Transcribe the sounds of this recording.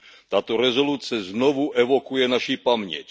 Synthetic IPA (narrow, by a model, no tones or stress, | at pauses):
t̪aːt̪ɔɾɛzɔluːt͡sɛznɔʋuʔɛʋɔkujɛnaʃiːpamɲɪɛ̰c